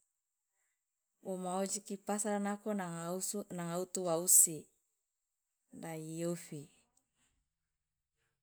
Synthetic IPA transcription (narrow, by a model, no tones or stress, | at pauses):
ʔomaod͡ʒikipasaɾanako | naŋaut̪uwausi | daijofi